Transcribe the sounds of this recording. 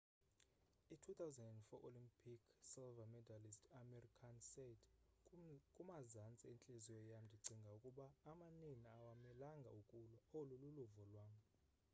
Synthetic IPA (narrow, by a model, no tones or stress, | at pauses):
itʰut̪ʰawzandɛndfɔ̰ʔolimpʼʰikʰsɛlvamɛdalistʰamɛrikʰansetʰ | kʼumazant͡sʼɛent͡ɬʼezijɔjam̩ndʱiɡ͡ǀʱiŋɡʱaukʼuɓaːmaniniawamɛlaŋɡʱa̰ukʼuluolululuvɔlwaːm